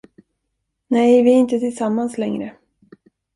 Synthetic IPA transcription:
nɛjvɪæɾɪnt̪ət̪ʰɪlsamːanslɛŋɾə

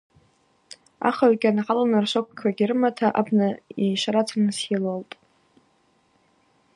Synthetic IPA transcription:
a̰χaɥɡʲanaqalanɨrʃʷok̚ʰʷkʰaɡʲɪrɨmatʰaʔabnaiʃaɾat͡sʰanɨsilaltʼ

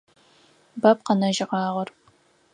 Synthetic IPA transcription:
bɐp̚qɐnɐʒɪqɑːʁɐr

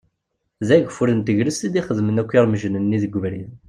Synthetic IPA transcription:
ðæʝəfuɾənt̪əʝɾəst̪id̪iχəðmənækʷːiɾməʒənənːiðəɡʷːəvɾin

